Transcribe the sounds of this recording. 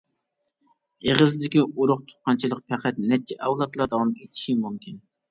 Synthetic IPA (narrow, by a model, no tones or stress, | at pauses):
eʁəzd̪ɪkʲiuɾʊqt̪ʰʊ̥t̪̚qɑnt͡ʃʰilˠəq̚pʰæqʰæt̪̚nɛt͡ʃʰɛʔɛwlˠɑt̪lˠɑɾd̪ɑwɑmet̪ʰɪ̥ʃimumkʲʰin